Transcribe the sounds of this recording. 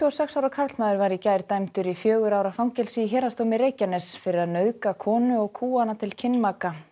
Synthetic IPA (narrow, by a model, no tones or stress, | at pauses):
t̪ʰːɔsɛksawɾakʰaɾt̪maːðʏɾvaɾicajɾt̪ajmt̪ʏɾifjœːɣʏɾaːwɾafawŋcɛlsiçɛːɾast̪owmɪɾeːjcanɛsfɪɾɪɾaðnœðkakʰɔːnʏɔɣkʰuːanat̪ʰɪlcʰɪnːmaka